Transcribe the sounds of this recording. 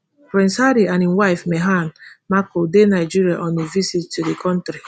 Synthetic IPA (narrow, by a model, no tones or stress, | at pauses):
fɾɛ̃nsaɾianim̩waɪfmeɦanmakodenaɪd͡ʒiɾiaʔɔnevisittudekɔ̃ntɾi